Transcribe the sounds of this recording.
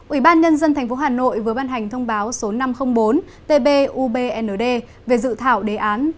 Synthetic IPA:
ʔwi˧˩ɓaː˧nɲə˧nzə˧nt̪ʰj̟fo˨˦ɦaː˨˩no̰˧˨jvɨ˨˩əɓaː˧nɦa˨˩jŋ̟t̪ʰə˧wŋ͡mɓaː˨˦wso˨˦na˧mxə˧wŋ͡mɓo˨˦n | t̪e˧ɓe˧ʔu˧ɓe˧ʔɛ˧nəː˨˩ɗe˧ | ve˨˩zɨ̰˧˨t̪ʰaː˧˩wɗe˨˦ʔaː˨˦n

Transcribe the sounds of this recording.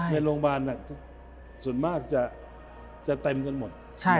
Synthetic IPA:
na˧ɾoː˧ŋbaː˧nːa˨˩kt̪ʰu˦˥˩ | su˨˩ənmaː˥˩k̚t͡ɕa˨˩ | t͡ɕa˨˩t̪e˧mka˧nmo˨˩t̪̚ | t͡ɕʰa˥˩

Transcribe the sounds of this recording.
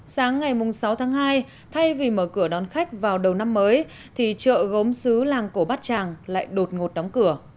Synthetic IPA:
saː˨˦ŋːa˨˩jmʊ˨˩ŋ͡msa˨˦wt̪ʰaː˨˦ŋɦaː˧j | t̪ʰa˧jvi˨˩məː˧˩kɨ˧˩əɗɔ˨˩˦nxa˦˥jk̟̚vaː˨˩wɗə˨˩wna˧mːəː˨˦j | t̪ʰi˨˩t͡ɕə̰ː˧˨ɣə˨˦wŋ͡msɨ˨˦laː˨˩ŋko˧˩ɓaː˦˥t̚t͡ɕaː˨˩ŋla̰ː˧˨jɗo˨˩t̚ŋo˨˩t̚ɗɔ˨˦wŋ͡mkɨ˧˩ə

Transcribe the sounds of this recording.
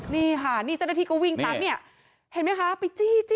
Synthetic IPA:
niː˧˩kʰa˥˩niː˥˩t͡ɕa˦˥˩t̚aː˧kʰɔ˦˥wi˧ŋt̪a˦˥k̚ni˥˩ɐ | he˨˩˦nma˦˥jkʰa˦˥pa˧jt͡ɕiː˧˩t͡ɕː

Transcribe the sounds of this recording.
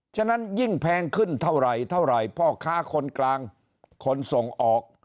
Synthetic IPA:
t͡ɕʰa˥˩˨na˦˥nji˥˩ŋpʰɛː˧ŋkʰɯ˥˩nt̪ʰa˥˩wɾa˨˩jt̪ʰa˥˩wɾa˨˩jpʰɔː˧˩kʰaː˦˥˩kʰo˧nklaː˧ŋ | kʰo˧nso˨˩ŋʔɔː˨˩k̚

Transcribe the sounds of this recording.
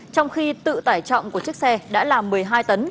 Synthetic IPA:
t͡ɕɔ˧wŋ͡mxi˧t̪ɨ̰˧˨t̪aː˧˩jt͡ɕɔ̰˧˨wŋ͡mku˧˩ət͡ɕɨ˦˥ək̚sɛ˧ɗa̰ː˧˥laː˨˩mːɨ˨˩əjɦaː˧jt̪ə˨˦n

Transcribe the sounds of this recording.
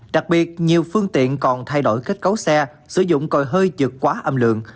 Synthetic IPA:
ɗa˨˩k̚ɓi˨˩ət̚ɲi˨˩əwfɨ˧əŋt̪ḭ˧˨ənkɔ˨˩nt̪ʰa˧jɗo̰˧˩jka˦˥k̟̚kə˨˦wsɛ˧ | sɨ˧˩zʊ̰˧˨ŋ͡mkɔ˨˩jɦəː˧jzɨ˨˩kkːwaː˨˦ʔə˧mlɨ̰˧˨əŋ

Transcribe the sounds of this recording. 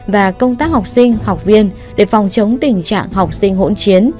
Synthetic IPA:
vaː˨˩kə˧wŋ͡mt̪aː˦˥k̚ha˨˩wk͡p̚sï˧ŋ̟ha˨˩wk͡p̚vi˧ən | ɗe˧˩fɔ˨˩wŋ͡mt͡ɕə˨˦wŋ͡mt̪ï˨˩ŋ̟t͡ɕa̰ː˧˨ŋɦa˨˩wk͡p̚sï˧ŋ̟ɦo̰˧˥nt͡ɕi˨˦ən

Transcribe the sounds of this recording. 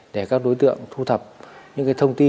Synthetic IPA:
ɗe˧˩kaː˦˥k̚ɗo˨˦jt̪ɨ̰˧˨əŋt̪ʰu˧t̪ʰə˨˩p̚ɲɨ̰˧˥kaː˨˦jt̪ʰə˧wŋ͡mt̪i˧

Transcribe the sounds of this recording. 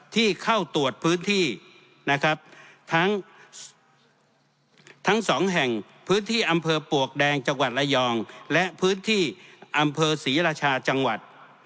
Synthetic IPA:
t̪ʰiː˥˩kʰa˥˩wt̪u˨˩ət̪̚pʰɯː˦˥nt̪ʰiː˥˩ | na˦˥kʰɾa˦˥p̚t̪ʰa˦˥ŋ | t̪ʰa˦˥ŋsɔː˩˦ŋɦɛ˨˩ŋ | pʰɯː˦˥nt̪ʰiː˥˩ʔa˧mpʰɤː˧pu˨˩ək̚dɛː˧ŋt͡ɕa˧ŋwa˨˩t̪̚ʔa˧jɔː˧ŋlɛ˦˥ʔpʰɯː˦˥nt̪ʰiː˥˩ʔa˧mpʰɤː˧siː˩˦ɾaː˧t͡ɕʰaː˧t͡ɕa˧ŋwa˨˩t̪̚

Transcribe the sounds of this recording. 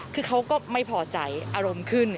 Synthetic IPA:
kʰɯː˧kʰa˦˥wkɔː˥˩ma˥˩jpʰɔː˧˩t͡ɕa˧˩jʔaː˧ɾo˧mkʰɯ˥˩n

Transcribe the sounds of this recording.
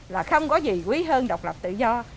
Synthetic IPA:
laː˨˩xə˧wŋ͡mkɔ˨˦zi˨˩kwi˨˦ɦəː˧nɗə˨˩wk͡p̚lə˨˩p̚t̪ɨ̰˧˨zɔ˧

